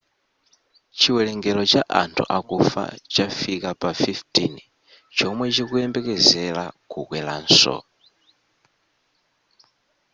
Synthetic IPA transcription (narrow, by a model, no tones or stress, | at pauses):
t͡ʃʰiwɛlɛŋɡɛlɔt͡ʃaʔa̰ntʰṵʔakufa̰t͡ʃafikapafiftʰin | t͡ʃʰɔmwɛt͡ʃikuɛmbɛkɛzɛlakʰukwɛla̰n̩sɔ̰